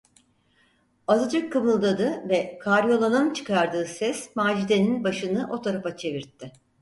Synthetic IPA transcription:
azɯd͡ʒ̪ɯkʰːɯmɯlˠd̪ad̪ɯvɛkʰaɾijo̞lˠanɯnt͡ʃʰɯ̥kʰaɾd̪ɯːsɛsmaːd͡ʒid̪eninbaʃɯnɯʔo̞t̪ʰaɾapat͡ʃʰe̞viɾt̪ʰːɪ

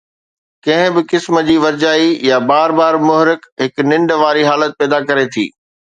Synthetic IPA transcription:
kɐ̃ɦɪ̃bɪkɪsmə̆d͡ʑiːʋɐɾd͡ʑaːijabaːɾbaːɾmʊɦɾɪkɦɪknɪ̃ɳɖʋaːɾiɦaːlət̪̚pɛːd̪akɐɾet̪ʰḭː

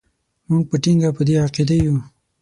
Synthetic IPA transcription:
muŋɡ̚pəʈiŋɡapəd̪eaqid̪aju

